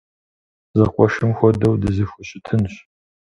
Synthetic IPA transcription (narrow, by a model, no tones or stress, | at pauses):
zɐqʷʼɔʃɨmxʷɔdɐwdɨzɨxʷʊɕʼɪtʰɨnɕ